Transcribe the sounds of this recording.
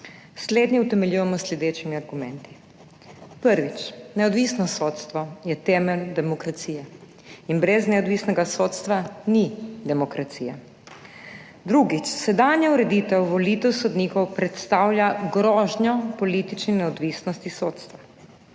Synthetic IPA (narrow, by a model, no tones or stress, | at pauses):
sleːd̪ɲɛwt̪ɛmɛljuːjɛmɔslɛd̪eːt͡ʃimiaɾɡumɛnt̪i̥ | pəɾʋit͡ʃnɛɔd̪ʋiːsnɔsoːt̪st̪ʋɔjɛt̪ɛːmɛld̪ɛmɔkɾat̪siːjɛ | inbɾɛznɛɔd̪ʋiːsnɛɡasoːt̪st̪ʋanid̪ɛmɔkɾat̪siːja | d̪ɾuɡit͡ʃsɛd̪anjauɾɛd̪iːt̪ɛwʋɔlit̪ɛwsɔd̪niːkɔwpɾɛt̪st̪aːwljaɡɾɔːʒnjɔpɔliːt̪it͡ʃninɛɔd̪ʋiːsnɔst̪isoːt̪st̪ʋa